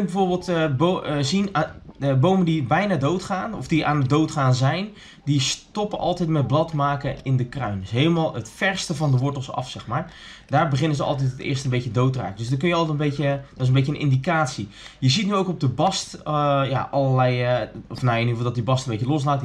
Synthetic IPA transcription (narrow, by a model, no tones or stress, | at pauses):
nbəvoːɹbɪːlˠtbozin | bowməndibɛjnaːdowtχaːnɔ̰fdiʔa̰ːnədowtχaːnzɛjn | distɔpəʔɑ̰lˠtɛjtmɛt̚blɑtmaːkəɪndəkrœɥndsɦeːlˠəmaːlˠətfɛrstəvɑndəʋʊɹtəlˠsɑ̰fsɛxmaːɹ | daːɹbəχɪnəzəɑ̰lˠt̬ɛtətɪ̰ːɹstənbejədowtəra̰ːkədøsdɔkønjəɑlˠtɛtəmbeədɔɪs̬ənbejənʔɪ̰ndikaːtsijəzitnyowkɔb̚dəbɑstja̰ʔɑlˠəlɛjɔfnajnivəlˠdɔt̚dibɑstən̩becəlɔs̬laːt